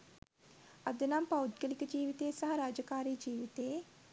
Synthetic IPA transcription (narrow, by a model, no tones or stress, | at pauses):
ɐd̪ɐnampɐud̪ɡɐlikəd͡ʒiːʋit̪eːsɐɦɐɾaːd͡ʒɐkaːɾiːd͡ʒiːʋit̪eː